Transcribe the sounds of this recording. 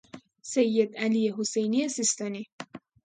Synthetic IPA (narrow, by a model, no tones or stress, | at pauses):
sejːed̪ælijeɦosejniesist̪ɑːni